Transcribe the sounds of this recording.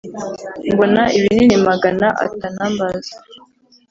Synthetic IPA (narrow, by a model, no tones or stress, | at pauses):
mbo̞naʔiβininimaɡanaʔa̰tanambazḁ